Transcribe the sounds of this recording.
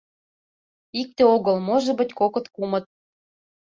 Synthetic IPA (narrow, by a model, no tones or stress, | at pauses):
ik̚t̪eoɣɤ̆lmoʒɤ̆bə̆tʲkokɤ̆t̪kumɤ̆t̪̚